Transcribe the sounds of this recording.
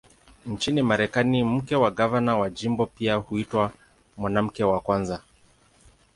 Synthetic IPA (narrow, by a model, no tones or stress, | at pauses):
n̩t͡ʃinimaɾɛkanim̩kɛwaɡavanawaʄimbɔpiahuitwa | mwanam̩kɛwakwanza